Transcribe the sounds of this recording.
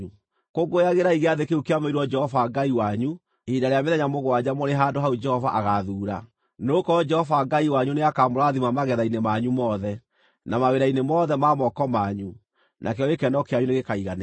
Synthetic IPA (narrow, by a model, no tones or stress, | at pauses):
u | koɡojaɣeɾaiɣeaðekeukeamoiɾuwɔd͡ʒɛhɔvaɡaiwaɲu | idaɾeameðɛɲamoɣwad͡ʑamoɾeɦandohaud͡ʒɛhɔvaʔaɣaðuːɾa | nokɔd͡ʒɛhɔvaɡaiwaɲuneakamoɾaaðimamaɣɛðainemaɲumɔðɛ | namaweɾainemɔðɛmamɔkɔmaɲu | nʔakeɔekɛndɔkeaɲuneɣekaiɣan